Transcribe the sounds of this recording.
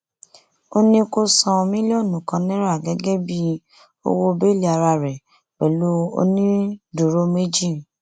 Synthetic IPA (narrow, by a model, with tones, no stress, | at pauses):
o˦nĩ˧ko˧sã˧mĩ˦lo˦˨nũ˨kã˧nĩ˦ɾa˦˨ɡɛ˨˦ɡɛ˦bi˦ | o̰˧wo˦be˦˨li˦a˧ɾa˧ɾɛ˨ | k͡pɛ˨lo˦o̰˧˦nĩ˦du˨ɾo˦me˦d͡ʒi˦˨